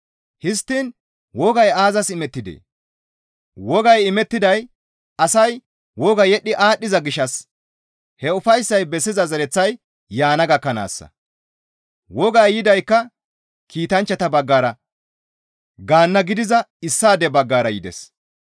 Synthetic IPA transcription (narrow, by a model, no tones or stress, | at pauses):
hɪst̪ːin | wɔɡɐjaːzɐsɪmɛt̪ːɪd̪ḛː | wɔɡɐjɪmɛt̪ːɪd̪ɐj | ɐsɐj | wɔɡɐjɛɗːɪʔaːɗːɪzɐɡɪʃːɐs | hɛʊfɐjsːɐjbɛsːɪzɐzɐɾɛt͡sːɐj | jaːnɐɡɐkːɐna̰ːsːɐ̰ | wɔɡɐjːɪd̪ɐjkːɐ | kʰiːt̪ɐnt͡ʃːɐt̪ɐbɐɡːaːɾɐ | ɡaːnːɐɡɪd̪ɪzɐɪsːaːd̪ɛbɐɡːaːɾɐjɪd̪ɛ̰s